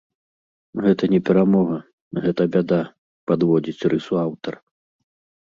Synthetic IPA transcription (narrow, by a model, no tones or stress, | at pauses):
ɣɛt̪ɐnʲɛpʲɛɾamɔɣɐ | ɣɛt̪ɐbʲad̪a | pad̪vɔd͡zʲit͡sʲrɨsuawt̪ɐr